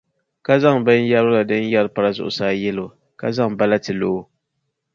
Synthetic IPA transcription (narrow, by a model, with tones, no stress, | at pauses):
ka˦za˦ŋbɨ˦n˦ja˦ɾʊ˦la˨dɨ˦n˦jɛ˦ɾpa˨ɾa˦zʊ̰˨ʔʊ̰˨saː˦jɛ˦lo˨ | ka˦za˦ŋ˨ba˦la˦tɨ˨lo˨˦